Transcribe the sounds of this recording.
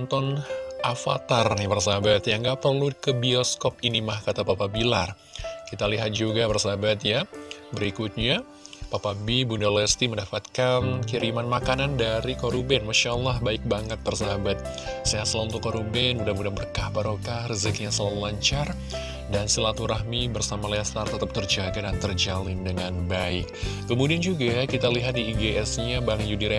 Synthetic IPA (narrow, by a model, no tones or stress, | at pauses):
nt̪ɔnʔafa̰t̪arnibərs̬aabat̪jaŋɡaʔpərlukəbiɔskɔp̚inimahkat̪apapabilar | kit̪aliɦat̪̚d͡ʒuɡabərsaɦabat̪jabəɾikut̪̚ɲa | papabibundolɛst̪imədapat̪̚kankiɾimanmakanandaɾikoɾubɛnmaʃalːahbaɪk̚baŋət̪̚bərsaɦabat̪̚ | sajasəlaunt̪ʊkːoɾubɛnmudamudanbərkahbaɾokahrəzək̚ɲasəlaulaɲt͡ʃar | dansəlat̪uɾaɦmibərsamalɛst̪art̪ət̪əp̚t̪ərd͡ʒaɡadant̪ərd͡ʒalɪndəŋanbaɪ̰kː | əmudiand͡ʒuɡakit̪aliɦat̪̚diːɡeʔɛsɲabaŋt̪jd͡ʒudiɾɛ